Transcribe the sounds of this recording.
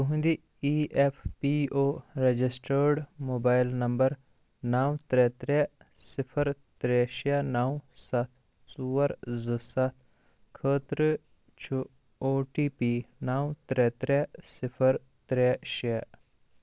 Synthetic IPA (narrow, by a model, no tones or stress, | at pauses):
t̪uɦnd̪i | iːʔepʰpiːoːɾed͡ʒɪsʈəɾɖmoːbaːɪlnɐmbəɾ | naːwt̪ɾɛːt̪ɾɛ | sɪpʰəɾt̪ɾɛːʃanaːwsɐt̪ʰ | suːəɾzəsɐt̪ʰ | kʰəːt̪ɾ | t͡ʃʰu | oːʈiːpiːnaːwt̪ɾɛːt̪ɾɛːsɪpʰəɾ | t̪ɾɛːʃɛː